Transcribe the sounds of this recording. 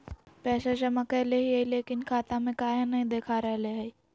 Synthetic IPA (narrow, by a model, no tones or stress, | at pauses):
pɛːsat͡ʃɐmakɛleɦiɦeileːkɪnkʰaːt̪ãmẽkaːjãnɐɦĩd̪eːkʰaɾɛɦleɦɛi